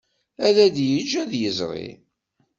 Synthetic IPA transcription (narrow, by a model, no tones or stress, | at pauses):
æðæd̪jəd͡ʒːæðjəzʁḭ